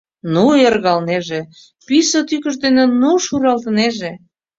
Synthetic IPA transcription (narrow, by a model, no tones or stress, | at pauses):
nuerɣɑlneʒe | pysət̪ykə̆ʃ̬d̪enĕnuʃuɾɑlt̪əneʒe